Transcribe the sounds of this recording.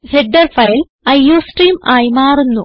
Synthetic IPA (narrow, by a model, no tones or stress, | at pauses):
heɖːɐrfɐjil | ɐjːoːsʈriːmaːjimaːrunːu